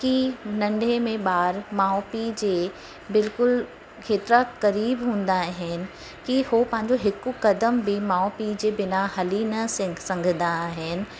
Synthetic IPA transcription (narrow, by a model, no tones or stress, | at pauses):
kinɐ̃ɳɖʱemẽɓaːɾmaːopid͡ʑeː | bɪlkʊl | kʰeːt̪ɪɾakɐɾiːbɦũːn̆d̪aɦɪnɪ̆ | kihopɐ̃ɦɪ̃ɲd͡ʑoɦɪkkɐd̪əmbʱimaːɔpid͡ʑeːbɪnaɦɐlinɐɪ̃sɐ̃ŋɡʱənd̪aɦɪnɪ̆